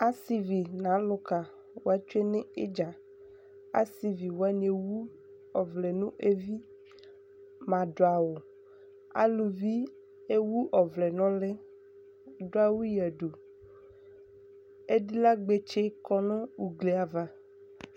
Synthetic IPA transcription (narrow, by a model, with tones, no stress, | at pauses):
a˦si˨vi˨nã˨˦lʊ˦ka˨ | wo˨˦a˦t͡ʃu˦e˦nẽ˦e˦d͡ʒa˨ | a̰˦si˨vi˨wo˨˦a˦ɲ˨e˨wu˦ | ɔ˨vlɛ˨nũ˦ʔe˦vi˦ | mã˨ɖo˨a˨wo˨ | a̰˦lu˨vi˦ | e˦wu˦ʔɔ˨vlɛ˨nɔ̃˦le˦ | do˦a˦wu˦jɛ˨ɖo˨ | e˦di˦la˦ɡ͡be˦t͡ʃe˦kɔ˦nõ˦u˨ɡle˨a˨va˨